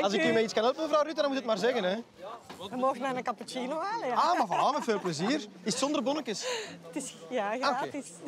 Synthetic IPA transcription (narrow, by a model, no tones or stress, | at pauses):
ɑlsɪkymɛiskɑnət̚məvrawrytadɑnmutːət̚maːrzɛɣənɛ | ʋəmoːɣənɛnəkapət͡ʃinoaləaːmavɑnaːvətfeːlˠpləziːr | ɪsətsɔnd̪ərbɔnəkəstɪsjaɣakets